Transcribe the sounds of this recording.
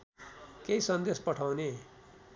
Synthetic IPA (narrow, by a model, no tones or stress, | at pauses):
keisʌnd̪espʌʈʰawne